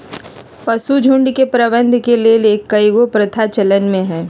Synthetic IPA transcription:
pɐsud͡ʒʱʊ̃ɳɖkepɾəʋə̃nd̪ʱkeleːleːkːɐiɡopɾɐt̪ʰat͡ʃɐlənmẽɦɛː

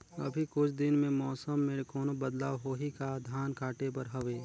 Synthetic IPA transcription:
ɐ̰bʱikʊt͡ʃʰd̪ɪnmẽmɔːsəmːẽɾkɔːnobəd̪laːʋɦoːɦikad̪ʱjaːnkaːʈep̬ɐɾɦɐʋeː

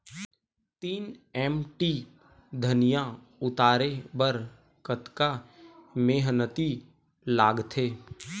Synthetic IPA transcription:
t̪iːnɛːmʈi | d̪ʱənɪjã | ʊt̪aːɾebəɾ | kət̪kameːɦnət̪i | laːɡt̪ʰeː

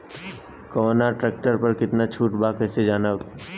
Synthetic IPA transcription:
konaʈɾɛːk̚ʈəɾpɐɾkɪt̪nat͡ʃʰuːʈbaːkɛːsed͡ʒaːna

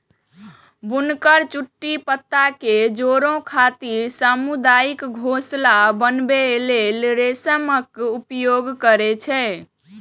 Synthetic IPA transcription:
bunkəɾt͡ʃuʈːipət̪ːaked͡ʒoɾõkʰat̪iɾsəmud̪ajikɡʱoslabənbelelɾesəməkupjoɡkəɾɛt͡ʃʰɛ

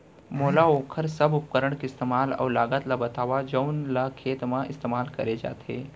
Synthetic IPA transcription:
moːlaoːkʰəɾsɐbʊp̚kəɾəɽ̃kiɪst̪eːmaːlɔ̰ːɾlaːɡət̪labɐt̪aːʋad͡ʒəʊnlakʰeːt̪mãɪst̪eːmaːlkɐɾed͡ʒa̰ːt̪ḛː

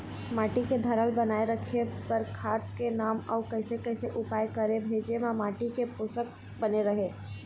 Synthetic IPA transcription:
maːʈiked̪ʱɐɾəlbɐnaːeɾəkʰebəɾkʰaːt̪kenaːmɔːkɛːsekɛːseʔʊpaːjkɐɾẽbʱeːd͡ʒemãmaːʈikepʊsək̚ | bɐneɾɐɦeː

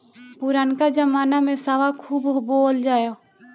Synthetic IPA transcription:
pʊɾaːnkaːd͡ʒəmaːnaːmẽːsaʋaːkʰuːbboːld͡ʒaːjoː

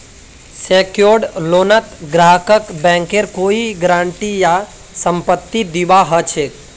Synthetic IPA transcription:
sekjoɾɖloːnət̪ɡɾaɦəkəkbɛ̃ŋkeɾkoiɡɾãːɳʈija | səmpət̪ːid̪iʋaɦət͡ʃʰe

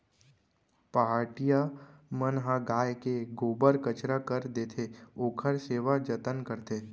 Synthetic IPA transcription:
paːɾʈijamənɦãɡaːjkeɡoːbəɾkət͡ʃɾakəɾd̪eːt̪ʰeoːkʰəɾseːʋad͡ʒət̪ənkəɾt̪ʰe

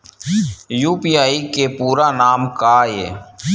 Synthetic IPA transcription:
juːpiːaːikepuːɾaːnaːmkaːjḛː

